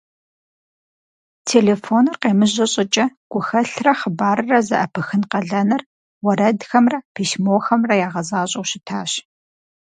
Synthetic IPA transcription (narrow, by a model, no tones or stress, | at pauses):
tʰeːleːfoːnɨrqeːmɨʑɐɕʼɪt͡ʃʼɐɡ̥ʷʊxɐɬrɐχəbaːɾɨrɐzɐ̰ʔɐpʰɨxɨnqɐɮɐnɐr | wɐɾɐdxɐmrɐpʰiːʃmoːxɐmrɐjaːʁɐzaːɕʼɐwɕɪtʰaːɕ